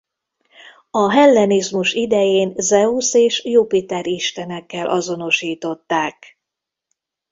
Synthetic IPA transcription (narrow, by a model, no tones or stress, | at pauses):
ɒɦɛlːɛnizmuʃid̪ɛjeːnzɛuseːʃjupit̪ɛɾiʃt̪ɛnɛkːɛlʔɒzo̞no̞ʃiːt̪o̞t̪ːaːk